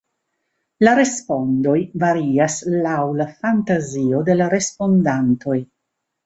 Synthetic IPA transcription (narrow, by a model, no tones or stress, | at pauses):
laɾe̞spo̞ndo̞jvaɾiaslawlafantazio̞de̞laɾe̞spo̞ndanto̞j